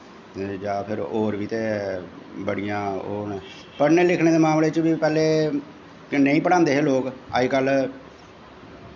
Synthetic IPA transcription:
d͡ʒaːpʰɪɾoːɾʋiːt̪eː | bəɽijãːoːnː | pəɾneːlɪkʰɽeːd̪eːmaːmleːt͡ʃəʋiːpɛːleː | nəĩːpəɽãːnd̪eːɦeːloːka̰ːikəl

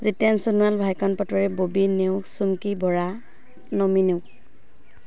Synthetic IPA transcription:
zitansunualbʱajkɔnpɔtɔɹɛbobineʊsuŋkibɔɹa | nɔmineʊ

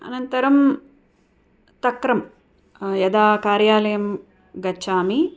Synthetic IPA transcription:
ɐ̰nɐnt̪ɐɾɐm | t̪ɐkɾɐm | jɐd̪aːkaːɾjaːlɐjɐm | ɡɐt͡ʃːaːmi

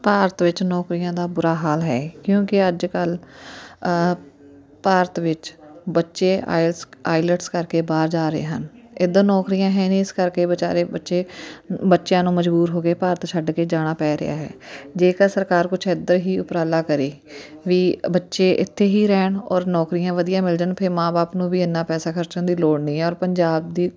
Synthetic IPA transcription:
paːɾət̪ʋɪt͡ʃnɔːkɾijãːd̪aːbʊɾaːɦaːlɦɛːkjõːkɪəd͡ʒkəl | paːɾət̪ʋɪt͡ʃbətːʃeːa̰ːa̰ːɪləʈskəɾkeːbaːɾd͡ʒaːɾəḛːɦənɪd̪ənɔːkɾijãːɦɛ̃ːneɪskəɾkeːbət͡ʃaːɾeːbətːʃeːbətːʃjãːnũːməd͡ʒbuːɾɦoːkeːpaːɾət̪t͡ʃʰəɖkeːd͡ʒaːɽ̃aːpɛːɾɪ̰ja̰ːɦɛ̰ːd͡ʒeːkəsəɾkaːɾkʊt͡ʃʰed̪əɾɦiːʊpɾaːlaːkəɾiː | ʋiːbətːʃeːʔɪ̰t̪ʰːeːɦiːɾɛːɳɔːɾnɔːkɾijãːʋəd̪ijãːmɪld͡ʒənpʰɪɾmaːbaːpnũːbiːɪnːaːpɛːsaːkʰəɾt͡ʃənd̪iːloːɽnĩːɦɛːɔːɾpəɲd͡ʒaːb̚d̪iː

